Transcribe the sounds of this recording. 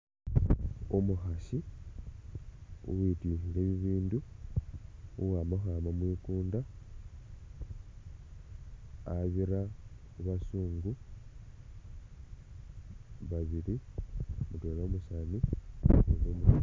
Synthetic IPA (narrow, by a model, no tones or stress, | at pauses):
omuxaʃi | ṵwitiːxileːβiβiːndu | uwaːmoxaːmamwiːkuːnda | aβiɾa | uβasuːŋɡu | βaβiɾi | mutolomusanieβoːmu